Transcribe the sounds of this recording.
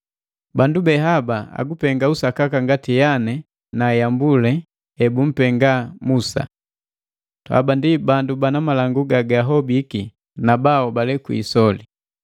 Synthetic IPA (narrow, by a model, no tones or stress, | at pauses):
bandubɛɦabaa̰ɡupɛŋɡausakakaŋɡatijanɛ | najambulɛ | ɛbum̩pɛŋɡamusa̰ | twa̰bandibandubanamalaŋɡuɡaɡaɦɔbiki | nabaɔbalɛkwḭsɔli